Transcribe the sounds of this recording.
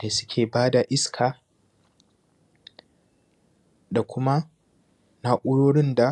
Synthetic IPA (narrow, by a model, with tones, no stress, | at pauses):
da˨sʊ̥˦kʲʰeː˨baː˦da˨ʔɪ˦skʰaː˨ | da˨kʷʊ˦ma˦ | na˦ʔʷʼʊ˦ɽoː˦ɽɪ˦nda˨